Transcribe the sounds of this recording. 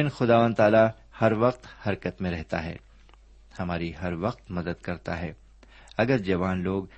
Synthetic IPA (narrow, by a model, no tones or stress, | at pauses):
nxʊd̪aːʋãːnd̪t̪aːla | hɐɾʋɐqt̪hɐɾkət̪mẽɾɛɦt̪a̰ɦɛ̰ː | hɐmaːɾiɦɐɾʋɐq̚t̪mɐd̪əd̪kɐɾt̪a̰ɦɛː | ɐɡəɾd͡ʒɐʋaːnloːɡ